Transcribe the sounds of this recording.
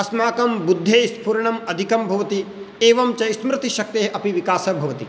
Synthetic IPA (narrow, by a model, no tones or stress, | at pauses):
ɐsmaːkɐmbud̪ʱːeːspuɾɐɳɐmɐd̪ʱikɐmbʱɐʋɐt̪i | eːʋɐmt͡ʃɐjsmɾɪt̪iʃɐk̚t̪eːɦɐpiʋikaːsɐbʱɐʋɐt̪i